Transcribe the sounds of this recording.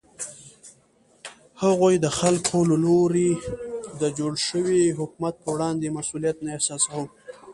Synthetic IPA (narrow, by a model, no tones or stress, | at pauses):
haɣojd̪əxalkʰoləloɾid̪əd͡ʒoɽʃəwiɦʊkmat̪̚pəwɽɑnd̪emasulijat̪naehsɑsawəw